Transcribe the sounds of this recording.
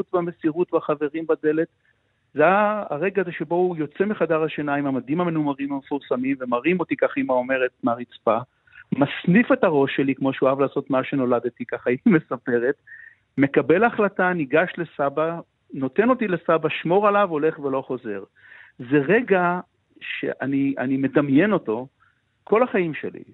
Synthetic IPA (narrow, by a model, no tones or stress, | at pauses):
utvame̞siʁutbaχave̞ʁimbade̞le̞t | zea̰ːʁe̞ɡaːzeʃebo̞ujo̞t͡semiχadaʁaʃenaimamad̪imamenumaʁimamefuʁsamimve̞maʁimo̞t̪ikaχimao̞me̞ʁe̞t̚maʁit͡spa | masnife̞taʁo̞ʃːelikmo̞ʃeoavlaːso̞t̪maʃe̞no̞lad̪etikaχaime̞sape̞ʁe̞t | me̞kabe̞laχlataniɡaʃle̞saba | no̞te̞no̞tile̞sabaʃmo̞ʁalavo̞le̞χvelo̞χo̞ze̞ʁ | ze̞ʁeɡa | ʃe̞̰ʔanianime̞damje̞no̞to̞ | kʰo̞laχaimʃe̞̰lḭ